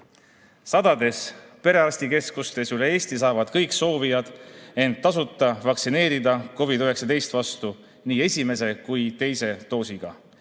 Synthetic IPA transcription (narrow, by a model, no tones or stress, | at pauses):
sɑd̪̥ɑd̪e̞spe̞ɾe̞ɑsʲt̪ike̞skust̪e̞syle̞e̞ːsʲt̪is̬ɑːvɑd̪̥kɤjkso̞ːvijɑd̪̥e̞nt̪ːɑs̬ut̪ˑːɑvɑksine̞ːɾid̪ɑko̞vid̪yɦe̞ksɑd̪e̞jst̪vɑst̪u | niːe̞sʲime̞se̞kujt̪e̞jse̞t̪o̞ːsiɡ̥ɑ̰